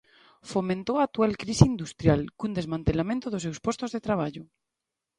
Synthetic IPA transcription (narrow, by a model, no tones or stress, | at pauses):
fomẽnt̪oaːk̚t̪ualkɾiseind̪ust̪ɾjalkund̪e̞zmãnt̪elamẽnt̪oðos̬ewspost̪ozðet̪ɾaβ̞aʎo